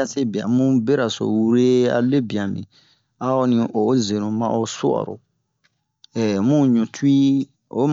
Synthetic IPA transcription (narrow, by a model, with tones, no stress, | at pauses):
a˦se˦bi˨ã̰˨mũ˦be˦ɾa˨so̰˨wu˦ɾe˦a̰˨˦le˦bi˨ã˨mḭ̃˨ | a˦ɔ˦nĩ˨ʔo˨˦ze˨nũ˨mã̰˦ʔo˦su˦a̰˨ɾo̰˨ | ɛ˨mũ˦ɲũ˨tʰu˦i˦ | o˨˦m